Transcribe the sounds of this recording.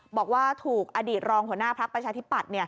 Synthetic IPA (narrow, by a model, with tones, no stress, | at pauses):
bɔː˨˩k̚waː˥˩t̪ʰuː˨˩k̚ʔa˧diː˨˩t̪̚ɾɔː˧ŋhu˩˦ənaː˥˩pʰɾa˦˥k̚pɾa˧t͡ɕʰaː˧t̪ʰi˦˥pːa˨˩t̪̚ni˥˩